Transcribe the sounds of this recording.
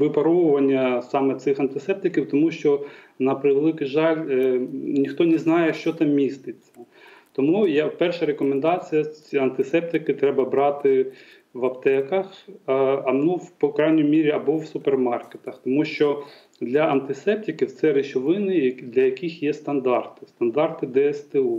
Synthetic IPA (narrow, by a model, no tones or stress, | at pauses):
ʋɪpɐɾɔʋʊʋɐnʲːɐsɑmɛt̪sɪxɐnt̪ɪsɛp̚t̪ɪkʲiwt̪ɔmuʃt͡ʃɔ | nɐpɾɪʋelˠɪkʊjʒɑlʲ | nʲixt̪ɔnʲɛznɑjɛʃt͡ʃɔt̪ɑmːʲist̪ɪt͡sʲːɐ | t̪ɔmujapɛrʃɐɾekɔmend̪ɑt͡sʲijɐɐnt̪ɪsɛp̚t̪ɪkɪt̪ɾɛbɐbɾɑt̪ɪ | ʋɐpt̪ɛkɐx | ɐnuwpɔkɾajnʲɔjmʲiɾʲiɐbɔwsʊpermɑrket̪ɐxt̪ɔmuʃt͡ʃɔ | d̪lʲɐʔɐnt̪ɪsɛp̚t̪ʲɪkʲɪwt̪sɛɾɪt͡ʃɔʋɪnɪɐd̪lʲɐjɐkixjɛst̪ɐnd̪ɑrt̪ɪ̥st̪ɐnd̪ɑrt̪ɪd̪ɛɛst̪ɛu